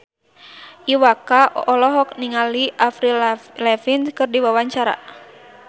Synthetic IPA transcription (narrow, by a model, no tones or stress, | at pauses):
ʔiwakaʔɔlɔɦɔk̚niŋaliʔafɾilɛfinskɨrdiwawaɲt͡ʃaɾa̰